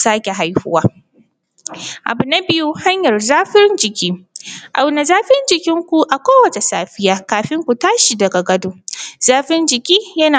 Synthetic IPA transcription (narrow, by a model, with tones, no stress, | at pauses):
saː˦kʲe˨ɦa˦jhʊ̰˦waː˦ | ʔa̰˨bʊ˨na˦bɪ˦ju˦ha˦ɲjɐ˨rzaː˦ɸɪ˦ɾnd͡ʒɪ˨kʲiː˦ʔa˨wna˨zaː˦ɸɪ˦nd͡ʒɪ˨kʲɪ˦ŋkʷu˨ʔa˨kʷoː˦wɐ˨t͡ʃe˨saː˦ɸɪ˦jaː˦kaː˨ɸɪ˦ŋkʷu˨taː˦ʃi˨dɐ˨ɡa˨ɡɐ˦doː˦z̥aː˦ɸɪ˦nd͡ʒɪ˨kʲiː˦jɐ˦naː˨